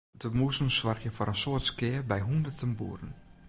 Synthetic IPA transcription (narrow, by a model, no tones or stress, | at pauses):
dəmusn̩swarxjəfɔɾənsoərtskɪːbɛjɦundətʰənbṵəɾən̩